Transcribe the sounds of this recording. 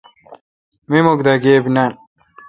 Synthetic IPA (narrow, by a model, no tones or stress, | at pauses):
mimokd̪aɡeːbinan